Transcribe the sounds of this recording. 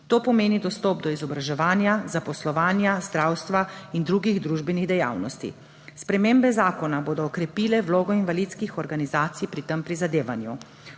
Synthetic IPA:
t̪oːpɔmeːnid̪ɔst̪ɔːp̚d̪ɔizɔbɾaʒɛʋaːnjazapɔslɔʋaːnjazd̪ɾaːwst̪ʋaind̪ɾuːɡiɣd̪ɾuːʒbɛniɣd̪ɛja̰ːwnɔst̪ḭ | spɾɛmembɛzaːkɔnaboːd̪ɔːkɾɛpiːlɛʋloːɡɔinʋalit̪skixɔɾɡanizaːt̪sijpɾit̪əmpɾizad̪eːʋanjṵ

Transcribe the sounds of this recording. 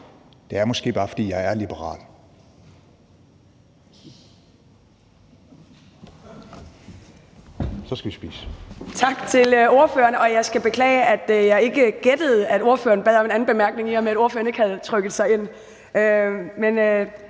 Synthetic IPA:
d̥e̝æɐmɒ̽sɡ̥e̝̰ːb̥ɑ̈ːfɒ̽d̥ḭːjɑ̈ɪæɐlib̥əʁɑ̰̈ːl | sɒ̽sɡ̥æʋisb̥ḭːsət͡sʰɑ̈ɡ̥t͡sʰe̝lo̝ɐfø̰ːɐnɒ̽jɑ̈ɪsɡ̥æb̥e̝kʰlɛ̰ːɪəʔæd̥əjɑ̈ɪe̝ɡ̥əɡ̥ed̥əð̩ˠæd̥o̝ɐføːɐnb̥ɛðˠɒ̽me̝næn̩b̥e̝mæɐɡ̥ne̝ŋihɑmeæɾ̥o̝ɐføɐne̝ɡ̥əhæð̞ˠt͡sʰʁœɡ̥ð̞̩ˠsɑ̈ɪe̝n̰ | ømen

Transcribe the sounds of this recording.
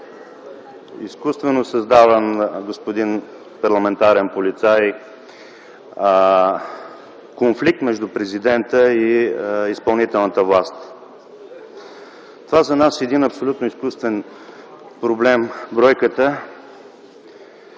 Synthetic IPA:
ḭskust̪vɛnosɐzd̪avənɡospod̪in | pɐɾlˠɐmɛnt̪aɾɛnpolit̪saj | konflik̚t̪mɛʒd̪ʊpɾɛzid̪ɛnt̪əiispɐlˠnit̪ɛlˠnət̪əvlˠast̪ | t̪ovazɐnasɛd̪inɐpsolʲut̪nʊiskust̪vɛn | pɾoblɛmbɾɔjkət̪ə

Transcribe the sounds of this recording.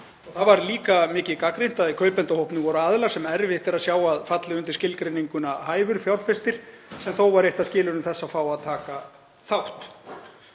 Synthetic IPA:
ɔɣθavaɾliːkamɪːcɪðkakɾen̥t̪aðikʰœːɥpɛnt̪ahowhpnʏvɔɾʏaːðlasɛmɛɾvɪɛht̪ɪɾaðsjaːwaðfat̪lɪʏnt̪ɪ̥scɪlkɾejniŋkʏnahaːjvʏɾfjawɾ̥fɛst̪ɪɾ̥ | sɛmθowvaɾeht̪aðscɪːlʏɾʏmθɛsːafaːwaðt̪ʰaːka | θawht̪

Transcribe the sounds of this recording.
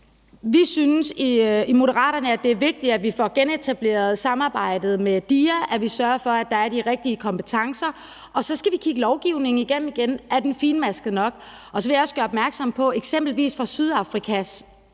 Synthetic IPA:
ʋisynsiimo̝ɾəʁɑ̰̈ːɾɐnəæd̥e̝æɐʋe̝ɡ̥̚d̥iæʋifɒɡ̥ene̝t͡sʰæb̥le̝̰ːɐð̞̩ˠsɑ̈mɑ̈ːb̥ɑ̈ɪ̰d̥ð̞̩ˠmed̥iːæʔæʋisɶɐfɒ̽æd̥ɑ̈æɐd̥iʁeɡ̥̚d̥iəkʰɒ̽mpʰe̥t͡sʰɑ̈ŋsɐ | ʔɒ̽sɒ̽sɡ̥æʋikʰiɡ̥əlɒʊɡ̥iʊ̰ne̝ŋ̩iɡ̥en̰m̩iɡ̥enæd̥enfiːnmæsɡ̥ð̩ˠnɒ̽ɡ̥ | ʔɒ̽sɒʋe̝jɑɒ̽sɡ̥ɶːɐɒ̽b̥mæɐɡ̥sɒ̽m̰pʰɒ̽eɡ̥sem̰b̥l̩ʋḭːsfʁɑ̈syð̞ˠɑ̈fʁikʰæs

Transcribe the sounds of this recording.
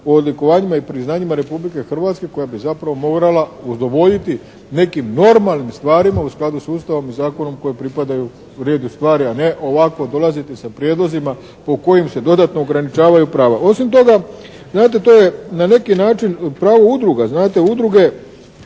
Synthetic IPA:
oːd̪liko̞ʋaːɲimaipɾiznaːɲimaɾe̞publike̞xr̩ʋaːt̪ske̞ko̞jabizapɾaʋo̞mo̞ɡɾalauzd̪o̞ʋo̞ʎit̪i | ne̞kimno̞ɾmalˠnimst̪ʋaːɾimausklad̪usuːst̪aʋo̞mizaːko̞no̞mko̞jepɾipad̪aju | ɾe̞ːd̪ust̪ʋaːɾiane̞ʔo̞ʋako̞d̪o̞lˠazit̪esapɾjeːd̪lozima | po̞ko̞jimse̞d̪o̞d̪at̪no̞ːɡɾanit͡ʃaːʋajupɾaːʋaʔo̞simt̪o̞ɡa | znaːt̪̬e̞t̪o̞ːje̞nane̞kinaːt͡ʃinpɾaːʋoud̪ɾuɡaznaːt̪e̞ud̪ɾuɡe̞

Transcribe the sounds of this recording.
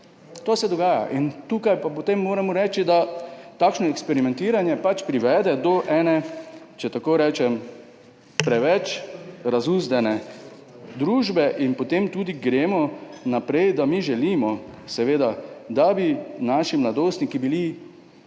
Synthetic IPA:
t̪oːsɛd̪ɔɡaːja̰ʔint̪uːkajpapot̪emːoːɾamɔɾɛːt͡ʃid̪at̪aːkʃnɔɛkspɛɾimɛ̃nt̪iːɾanjɛpat͡ʃpɾiʋɛːd̪ɛd̪ɔʔɛːnɛ | t͡ʃɛt̪akoːɾɛːt͡ʃɛm | pɾɛʋɛt͡ʃɾazuːzd̪ɛnɛ | d̪ɾuːʒbɛʔinpot̪eːmt̪uːd̪iɡɾeːmɔnapɾɛjd̪amiʒɛliːmɔsɛʋeːd̪ad̪abinaːʃimlad̪oːst̪nikibili

